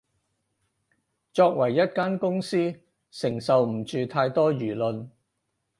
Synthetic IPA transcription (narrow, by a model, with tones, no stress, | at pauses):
t͡ʃɔː˧k̚wɐ˨˩jːɐ˥t̚kaː˥nkʊ˥ŋsiː˥ | sɪ˨˩ŋsɐ˨wm̩˨˩t͡ʃyː˨t̪ʰaː˧jt̪ɔː˥jyː˨˩lɵ˨n